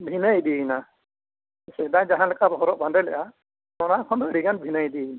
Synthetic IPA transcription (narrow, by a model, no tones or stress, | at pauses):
bʱinajdijna | sɛdajzaɦanlɛkabɔɦɔɾɔʔ̚bandɛlɛʔa | nɔnakʰɔndɔɾiɡanbʱinajdijna